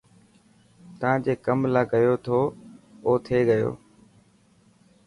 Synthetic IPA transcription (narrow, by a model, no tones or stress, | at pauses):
t̪əʋãːd͡ʑeːkəmlaːɡəjoːt̪ʰoːoːt̪ʰeːɠəjo̰ː